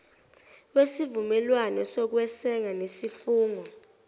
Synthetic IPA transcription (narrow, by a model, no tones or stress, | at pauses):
wesivumɛlwanɔsɔk̬wɛsɛŋanesifuːŋɔ